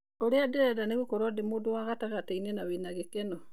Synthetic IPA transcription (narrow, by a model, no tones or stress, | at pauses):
oɾeadeɾɛdaneɣukoɾɔdemuːdowaɣataɣatainenaβenaɣekeno